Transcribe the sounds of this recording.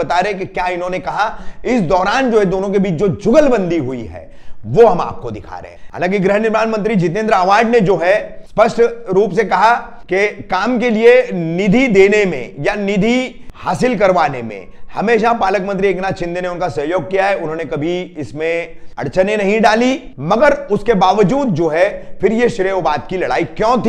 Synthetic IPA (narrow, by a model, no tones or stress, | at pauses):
ɐt̪aːɾẽkekjaːɪnɦõːnekɐɦaɪsd̪ɔːɾaːnd͡ʒoːɦɛd̪oːnõk̬ebiːt͡ʃd͡ʒoːd͡ʒʊɡəlbɐ̃nd̪iɦʊḭɦɛ̰ː | ʋoɦɐma̰ːp̚kod̪ɪkʰa̰ːɾḛɦɦɐ̰lãːkiɡɾɪɦənɪɾbaːnmɐ̃nt̪ɾid͡ʒɪt̪̬ẽːnd̪ɾaːʋaːɖned͡ʒoːɦɛspɐsʈɾuːpsekɐɦakekaːmkelienɪd̪ʱid̪eːnemḛ̃janɪd̪ʱi | haːsɪlkɐɾʋaːnemḛ̃hɐmeːʃapaːləkmə̃nt̪ɾieːknat͡ʃɪ̃nd̪eneʊnkasɐɦjoːɡ̚kijaɦɛʊnɦõːnekɐbʱiɪsmẽɐ̰ɽt͡ʃʰənenɐɦĩɖaːli | mɐɡəɾʊskebaːʋəd͡ʒuːd̪̚d͡ʒoːɦɛfɪɾjeʃɾeːʊbaːd̪̚kilɐɽa̰ːikjɔ̃ːt̪ʰ